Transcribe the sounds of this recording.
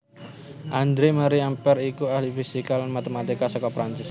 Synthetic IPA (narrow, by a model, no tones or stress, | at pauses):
ʔand̪ɾemaɾiampɛɾikuahlifisikalanmat̪emat̪ikasɔkɔpɾant͡ʃɪs